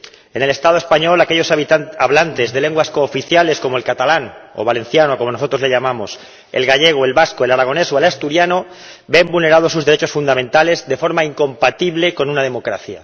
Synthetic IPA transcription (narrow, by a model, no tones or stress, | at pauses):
e̞ne̞lest̪að̞oe̞spaɲo̞lakeʎo̞saβlant̪e̞zðe̞le̞ŋɡwaskoːfiθjale̞sko̞moe̞lkat̪alano̰βalẽ̞nθjanoko̞mo̞no̞so̞t̪ɾole̞ʎamamo̞s | e̞̰lɣaʎe̞ɣ̞oe̞lβaskoe̞laɾaɣ̞o̞ne̞soelast̪uɾjano | bembulne̞ɾað̞os̬uzðee̞t͡ʃo̞sfund̪amẽnt̪ale̞zðe̞fo̞ɾmaiŋko̞mpat̪iβle̞ko̞nunað̞e̞mo̞kɾaθja